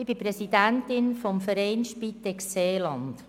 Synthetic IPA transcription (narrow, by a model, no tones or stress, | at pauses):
ɪb̥ipɾɛsidæntɪnfɔmfəɾɛɪnʃpit̪ɛkseːlɑnt̪